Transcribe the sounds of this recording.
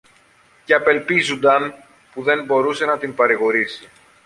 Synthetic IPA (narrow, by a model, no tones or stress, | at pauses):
ceɐpe̞lpizund̪ɐn | puðe̞mbo̞ɾuse̞nɐt̪impɐɾiɣo̞ɾisi